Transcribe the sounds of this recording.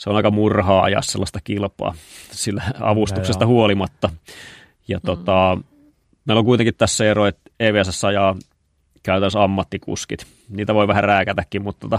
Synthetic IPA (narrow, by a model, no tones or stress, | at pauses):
seonɑikɑmurhɑːɑ̰jɑ̰sselːɑst̪ɑkilpɑ̰ːsilːæɑ̰ʋust̪uksest̪ɑhuolimɑt̪ːɑ | jɑt̪ot̪ɑ | meˑiloŋkuit̪eŋkit̪t̪æsːæeroet̪eːʋeːæsæsːɑjɑː | kæyt̪ænːəsɑmːɑt̪ːikṵskit̪ | niːt̪æʋoiʋæhæræːkæt̪ækːimmut̪ːot̪ɑ